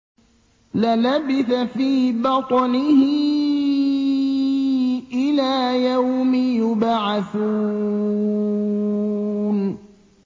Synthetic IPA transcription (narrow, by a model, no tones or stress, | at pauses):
lalabɪθafiːbɑt̪ˤnɪhɪ | ʔɪlaːjawmɪjʊbaʕaθu | n